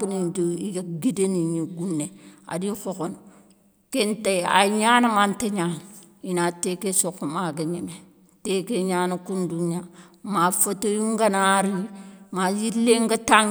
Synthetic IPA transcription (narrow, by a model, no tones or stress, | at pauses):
kunind͡ʒoiɡaɡideniɲiɡunːea̰dikokon | kentaja̰ɲaːnamanteɲan | inatekesokːomaɡaɲeme | tekeɲaːnakunduɲa | mafotojuŋɡanaɾimajilːeŋɡata